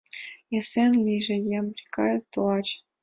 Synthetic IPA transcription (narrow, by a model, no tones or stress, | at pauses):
esenlʲiʒĕjɑmbrʲikɑjt̪oɑt͡ɕ